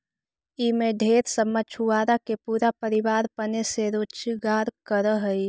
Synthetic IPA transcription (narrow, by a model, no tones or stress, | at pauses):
imẽɖʱeːɾsəmət͡ʃʰuaːɾakepuːɾapəɾɪʋaːɾpəneseɾoːt͡ʃɡaːɾkəɾəɦəi